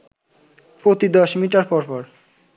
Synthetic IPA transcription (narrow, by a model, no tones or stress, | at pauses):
pɾot̪id̪ɔʃmiʈaɾpɔɾpɔɾ